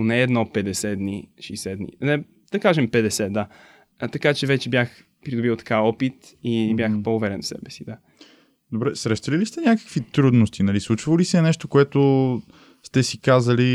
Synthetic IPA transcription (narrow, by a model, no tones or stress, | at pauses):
nɛːd̪nɔpɛd̪ɛsɛd̪niʃɛːsɛd̪nḭnɛ | d̪̥ɐkaʒɛmpɛd̪ɛsɛd̪a | t̪ɐkat͡ʃɛvɛt͡ʃɛbjax | pɾid̪ʊbilˠt̪ɐ̥kaɔpit̪ | ibʲjaxpoʊvɛɾɛnfsɛ̰bɛsid̪a | d̪obɾɛsɾɛʃt̪ɐlilist̪ɛnʲjakə̥kvit̪ɾud̪nost̪inɐlislˠut͡ʃvəlisɛnɛʃt̪okoɛt̪o | st̪ɛsikazɐli